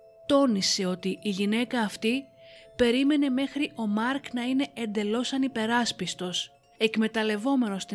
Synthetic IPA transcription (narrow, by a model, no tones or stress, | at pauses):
t̪o̞nise̞o̞t̪iːʝine̞kɐːft̪ipe̞ɾime̞ne̞me̞xɾiʔo̞mɐɾknɐine̞end̪e̞lo̞sɐnipe̞ɾɐspist̪o̞s | e̞kme̞t̪ɐle̞vo̞me̞no̞st̪i